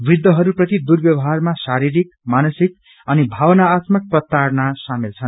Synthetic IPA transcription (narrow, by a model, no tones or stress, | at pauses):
brid̪ːʌɦʌɾuprʌt̪id̪urbjʌwʌɦarmasaɾiɾikmanʌsik | ʌnibʱawʌnaːt̪mʌk̚prʌt̪ːarnasamilt͡sʰʌn